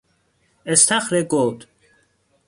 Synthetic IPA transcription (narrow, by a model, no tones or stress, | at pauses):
est̪ʰaχɾeɡod̪